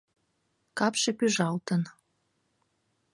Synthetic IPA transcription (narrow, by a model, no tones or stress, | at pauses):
kɑpʃĕpyʒɑlt̪ən